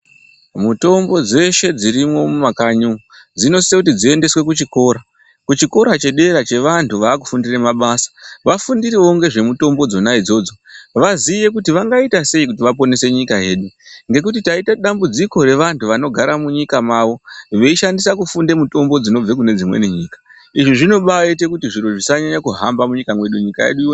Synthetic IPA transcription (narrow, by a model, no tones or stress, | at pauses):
muto̞mbo̞d͡ze̞ʃe̞d͡ziɾimo̞mumakaɲu | d͡zino̞ssekutid͡zie̞nde̞swe̞kut͡ʃiko̞ːɾa | kut͡ʃiko̞ɾat͡ʃe̞ɗe̞ɾat͡ʃe̞ʋantʰuʋaːku̥fundiremaɓasḁʋafundiriwo̞ŋɡe̞ʐe̞muto̞mbo̞d͡zo̞naid͡zo̞ːd͡zo̞ʋazije̞kutiʋaŋɡaitase̞ikutiʋap̬o̞ne̞se̞ɲikaje̞ːɗuŋɡe̞k̬utitaitaɗambud͡ziko̞ɾe̞ʋantʰuʋano̞ɡʱaɾamuɲikamaʋo̞ʋe̞iʃandisakufundemuto̞mbo̞d͡zino̞b͡vekune̞d͡zimwḛniɲiːkḁ | iʐiʐino̞ɓaite̞kutiʐiɾoʐisaɲaɲakuɦambamuɲikamwe̞ɗuɲikaje̞̰ɗu